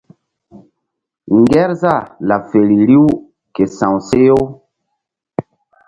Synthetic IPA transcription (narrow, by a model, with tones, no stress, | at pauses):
ŋɡɛ˦ɾza˦˨la˨fe˨ɾi˨li˦w | ke˨sã˨wse˦jo˦